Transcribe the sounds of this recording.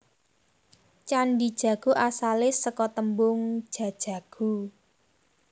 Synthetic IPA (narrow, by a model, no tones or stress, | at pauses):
t͡ʃaɳɖid̥ʒ̥ä̤ɡ̥ṳʔasalɪsəkɔt̪əmbʊŋ̥ʒ̥ä̤d̥ʒ̥ä̤ɡ̥ṳ